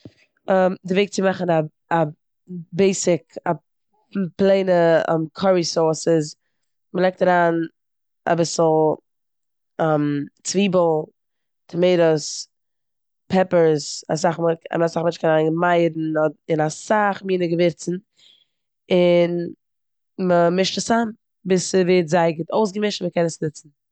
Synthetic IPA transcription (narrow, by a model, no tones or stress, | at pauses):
amdɪveɪk̚t͡sɪmaχn̩a | a | beɪsɪka | plˠeɪnəɛ̰mkʰɔɹisɔːsɪz | məlˠɛɪk̚taɾaːn | a̰bɪsl̩ˠ | ɛmt͡sviːbəl̩ˠ | tʰəmeɪɾəs | pʰɛpəɾsa̰s̬aχma̰msaχmɛnt͡ʃkɛnaaɪŋmaɪdn̩ɔɪnasaχmiːnəɡəvɪɾt͡sn̩ | ɪn | məmɪʃtəsan | bɪsəveɪtzaɪɡtoʊsɡəmɪʃtməkɛnəsnɪt͡sn̩